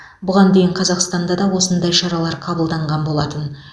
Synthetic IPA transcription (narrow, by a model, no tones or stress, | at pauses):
bʊʁɑnd̪e̞jɪɴqʰɑzɑqst̪ɑnd̪ɑd̪ɑwo̞sənd̪ɑjʃɑɾɑlˠɑɾqʰɑbəlˠd̪ɑɴʁɑnbo̞lˠɑt̪ən